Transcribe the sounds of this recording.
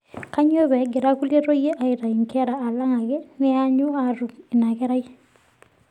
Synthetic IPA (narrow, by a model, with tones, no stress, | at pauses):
ka˦ɲo˦βɛ˨ɡe˨ɾa˦ku˦lje˦to˦je˦ʔa˨ita˨i˨ŋkʰɛ˦ɾaː˨la˦ŋa˨ɣe˦nɪ˦aɲu˦aɾu˨kɪ˨na˨kɛ˦ɾa˦i